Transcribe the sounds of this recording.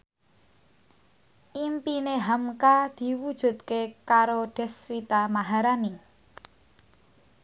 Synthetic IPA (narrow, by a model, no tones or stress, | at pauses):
ʔimpineɦamkad̪̥i̤wud̥ʒ̥ṳt̪̚kekaɾoɖ̥ɛ̤swit̪amaɦaɾani